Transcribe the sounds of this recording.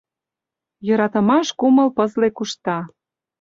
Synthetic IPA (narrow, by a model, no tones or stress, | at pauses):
jɤ̆ɾɑt̪ə̆mɑʃkumə̆lpɤ̆zlekuʃt̪ɑ